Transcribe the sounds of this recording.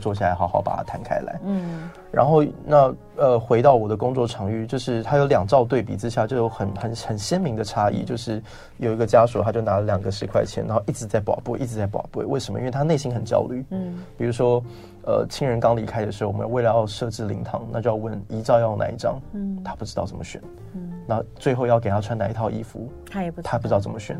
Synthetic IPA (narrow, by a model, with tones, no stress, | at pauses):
t͡swɔ˥˧ɕja˥˩a˧ɪxɑ˧˥ʊxɑ˧˥ʊpa̰˨˩a̰˥t̪ʰa˧˥nkʰa̰˥ɪla̰˧˥ɪ | ɻa̰˧nxo˥˩˧ʊna˥˩ | ə˧xwe˧˥ɪt̪ɑ˥˩ʊwɔ˨˩d̪ə˦kʊ˥ŋt͡swɔ˥˩ʈ͡ʂʰɑ˧˥ŋy˥˩t͡ɕjo˥˧ʊʂɻ̩˥˩t̪ʰa˥jo˧ʊljɑ˨˩ŋʈ͡ʂɑ˥˧ʊt̪we˥˩ɪpḭ˨˩ʈ͡ʂɻ̩˥ɕja˥˩t͡ɕjo˥˧ʊjo˧˥ʊxə˨˩nxə˨˩nxə˨˩nɕjɛ˥nmi˧˥ŋd̪ə˧ʈ͡ʂʰa˥ḭ˥˩t͡ɕjo˥˧ʊʂɻ̩˥˩ | jo˨˩i˧˥ɡə˧t͡ɕja˥ʂu˨˩t̪ʰa˥t͡ɕjo˥˩ʊna˧˥lə˧ljɑ˨˩ŋɡə˦ʂɻ̩˧kʰwa˥˩ɪt͡ɕʰjɛ̰˧˥nɻa̰˧˥xi˥˩ʈ͡ʂɻ̩˧˥t͡sa˥˩ɪpwɑ̰˨˩ʊpwu˥˧ʔi˥˩ʈ͡ʂɻ̩˧˥t͡sa˥˩ɪpwɑ̰˨˩ʊpwḛ˥˩ɪwe˥˩ɪʂə˧˥mə̰˧ḭ˥nwe˥˩t̪ʰne˥˩ɪi˥nxə˨˩nt͡ɕjɑ̰˥ʊly˥˩pi˨˩u˧˥ʂwɔ˥ | ə̰˧t͡ɕʰi˥ŋɻə˧˥nkɑ˥ŋli˧˥kʰa˥ɪd̪ə˩ʂɻ̩˧˥˩wm˧˦jwe˥˩ɪljɑ˥˧ʊʂɤ˥˧ʈ͡ʂɻ̩˥˩lḭ˧˥ŋt̪ʰɑ̰˧˥ŋna˥˧t͡ɕo˥˧jɑ˥˧ʊwə˥˩ni˧˥ʈ͡ʂɑ˥˧ʊjɑ˥˧ʊna̰˧˥ḭ˥˩ʈ͡ʂɑ̰˥ŋt̪ʰa˥pu˥˩ʈ͡ʂɻ̩˥t̪ɑ˥˩ʊt͡sə˥˩mə˧˦ɕɥɛ̰˨˩˦n | na˧˥˧t͡swe˥˧ɪxo˥˧ʊjɑ˥˩ke˨˩t̪ʰa˥˩ʈ͡ʂʰwa˥na˧i˧˥t̪ʰɑ˥˧ʊi˥fṵ˧˥˦ | p̪ʰa˥˧pu˩˧˥ɑ˥˩ʊt͡sə˩mə˧ɕɥɛ̰˨˩˦n